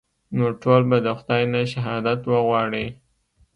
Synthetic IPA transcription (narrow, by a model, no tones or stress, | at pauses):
noʈolbad̪əxʊd̪ɑjnaʃaɦɑd̪at̪wəɣwɑɽi